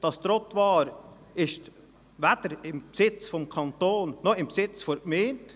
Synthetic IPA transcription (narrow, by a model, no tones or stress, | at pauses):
d̥ɑst̪ɾɔtvɑːɾ | ɪʃt | væd̥əɾɪmpsɪt͡sfɔmkʰɑnt̪oːnːɔɪmpsɪt͡sfoɾkmeːnt